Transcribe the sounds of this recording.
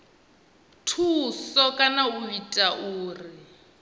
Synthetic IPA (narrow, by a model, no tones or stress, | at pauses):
tʰusɔkʼanauitʼaʔuːrɪ